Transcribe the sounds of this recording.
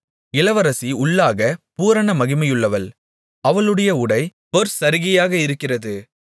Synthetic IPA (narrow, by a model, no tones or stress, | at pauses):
ɪlɐʋɐɾɐsiʊɭːaːɣɐpuːɾɐnɐmɐɣɪmɐjɯɭːɐʋɐl | ɐʋɐɭɯɽɐjɐʊɽɐɪpɐɾsɐɾɪɣɐjaːɣɐɪɾɯkːɪrɐðɯ